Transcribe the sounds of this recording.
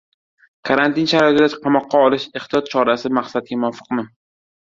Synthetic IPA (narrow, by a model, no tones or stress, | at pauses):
kʰaɾant̪ʰɪnʃaɾɒɪt̪ɪd̪aqʰɑmɒqːɑɒlɪʃeχt̪ijɒt̪̚t͡ʃʰɒɾasɪmaqsat̪̚ɡʲamʊɒfɨ̥qnɪ